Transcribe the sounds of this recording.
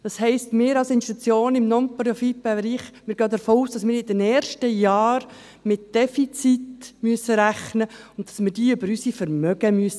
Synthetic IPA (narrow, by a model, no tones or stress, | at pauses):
d̥ɑshɛɪstmɪːɾɑlsɪnʃtut͡sjoːnɪmnɔnpɾɔfipɛɾiːχmɪːɾɡøːd̪əɾfoːuːsd̥ɑsmɪːɾɪdɛnɛːɾʃtəjɑːɾ | mɪt̚d̥ɛfit͡sitmyəsəɾæχnəʊntdɑsmɪːɾdiːʏbəɾysifəɾmœɡəmyəsə